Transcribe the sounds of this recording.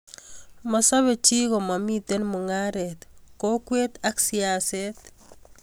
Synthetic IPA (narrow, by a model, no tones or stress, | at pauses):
masaβet͡ʃiɣɔmamitenmuŋaɾɛt̪kokwet̪aksiaset̪